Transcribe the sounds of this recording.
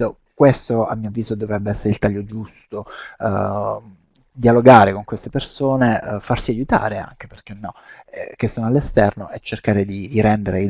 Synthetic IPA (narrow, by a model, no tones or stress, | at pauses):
o | kwest̪oa̰mːiovːiːzod̪ovɾɛbːeɛsːeɾeilt̪aʎːod͡ʒust̪o | d̪ialoɡaːɾekoŋkwest̪epersoːnefarsiajut̪a̰ːɾea̰ŋk̟eperk̟enːɔɛk̟esːoːnoalːest̪ɛrnoʔet͡ʃːerkaːɾed̪id̪iɾɛnd̪eɾeid̪